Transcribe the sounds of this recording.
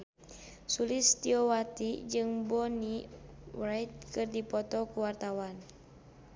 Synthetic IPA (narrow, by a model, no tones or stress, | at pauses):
sulɪst̪iɔwat̪id͡ʒɨŋbɔniwrajt̪̚kɨrdipɔt̪ɔkuwart̪awan